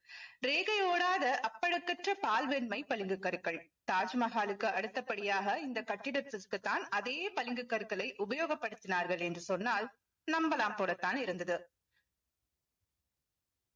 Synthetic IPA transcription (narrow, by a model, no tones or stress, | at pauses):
ɾeːɣɐjoːɽaːðɐʔɐpːɐɽɯkːɐʈrɐpaːlʋɛnmɐɪpɐlɪŋɡɯkːɐɾkːɐɭt̪aːd͡ʒmɐɣaːlɯkːɯʔɐɽɯt̪ːɐpːɐɽɪjaːɣɐɪnd̪ɐkɐʈːɪɽɐt̪ːɪkɯt̪ːaːnɐðejːpɐlɪŋɡɯkːɐɾkɐɭɐɪʔʊbɐjoːɣɐpːɐɽɯt̪ːɪnaːɾɣɐɭɛndrɯsɔnːaːl | nɐmbɐlaːmpoːlɐt̪ːaːnɪɾɯnd̪ɐðɯ